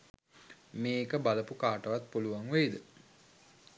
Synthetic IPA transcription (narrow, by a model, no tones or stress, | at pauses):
meːkəbaləpukaːʈəʋat̪̚puluʋaŋʋeid̪ə